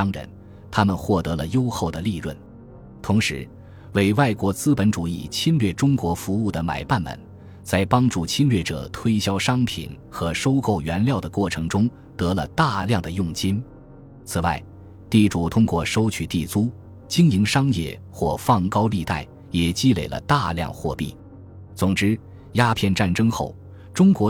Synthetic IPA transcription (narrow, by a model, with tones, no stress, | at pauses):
ŋɻə̰˧˥n | t̪ʰa˥mə˨nxwɔ˥˩t̪ɤ˧˥lə̰˧jo˥ʊxo˥˩ʊd̪ə˩li˥˧ɻwə˥˩n | t̪ʰʊ˧˥ŋʂɻ̩˧˥ | we˥˩ɪwa˥˩ɪkwɔ˧˥t͡sɹ̩˥pə˧˥nʈ͡ʂu˨˩i˥˩t͡ɕʰi˥nlɥɛ˥˩ʈ͡ʂʊ˥ŋkwɔ˧˥fu˧˥u˥˩d̪ə˩ma̰˨˩ɪpa˥˩nmə̰˨˩n | t͡sa˥˩ɪpɑ˥ŋʈ͡ʂu˥˩t͡ɕʰi˥nlɥɛ˥˩ʈ͡ʂɤ̰˨˩t̪ʰwe˥ɪɕjɑ˥ʊʂɑ˥ŋpʰḭ˨˩n | xɤ˧˥ʂo˥ʊko˥˩ʊɥɛ˧˥nljɑ˥˩ʊd̪ə˩kwɔ˥˩ʈ͡ʂʰɤ˧˥ŋʈ͡ʂʊ˥ŋ | t̪ɤ˧˥lə̰˧t̪a˥˧ljɑ˥˩ŋd̪ə˩jʊ˥˩ŋt͡ɕi˥n | t͡sʰɹ̩˨˩wa˥˩ɪ | t̪i˥˩ʈ͡ʂu˨˩t̪ʰʊ˥ŋkwɔ˥˩ʂo˥ʊt͡ɕʰy˨˩t̪i˥˩t͡su˥ | t͡ɕi˥ŋi˧˥ŋʂɑ˥ŋjɛ̰˥˩ | xwɔ˥˧fɑ˥˩ŋkɑ˥ʊli˥˧t̪a̰˥˩ɪ | jɛ˨˩t͡ɕi˥˧le˨˩ɪlə̰˦t̪a˥˧ljɑ̰˥˧ŋxwɔ̰˥˧pḭ˥˩ | t͡sʊ˨˩ŋʈ͡ʂɻ̩˥ | ja˥pʰjɛ˥˧nʈ͡ʂa˥˩nʈ͡ʂɤ˥ŋxo˥˩ʊ | ʈ͡ʂʊ˥ŋkwɔ˧˥